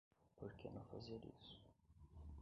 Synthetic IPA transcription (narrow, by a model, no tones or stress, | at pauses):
poɾkenɐ̃w̃fa̰ziɐɾḭsʊ̥